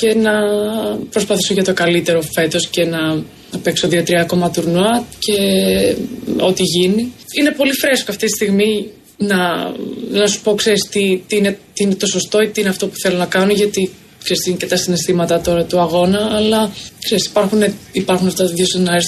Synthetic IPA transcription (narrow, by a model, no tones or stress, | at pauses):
ce̞nɐ | pɾo̞spɐθi̥so̞ʝɐt̪o̞kɐlit̪e̞ɾo̞fe̞t̪o̞sce̞nɐ | ɐpe̞ksoðiɐt̪ɾiɐko̞mɐt̪uɾnoɐt̪ce̞ | o̞t̪iʝiniine̞po̞lifɾeskoɐft̪it̪ist̪iɣmi | nɐ | nɐsu̥spo̞kseɾist̪it̪iinet̪iine̞t̪o̞so̞st̪o̞it̪iineɐft̪o̞pu̥θe̞lo̞nɐkɐno̞ʝɐt̪i | kse̞ɾist̪inecet̪ɐsinest̪imɐt̪ɐt̪o̞ɾɐt̪uɐɣo̞nɐːlɐkse̞ɾisi̥pɐɾxuneipɐɾxunɐft̪ɐðjosnɐes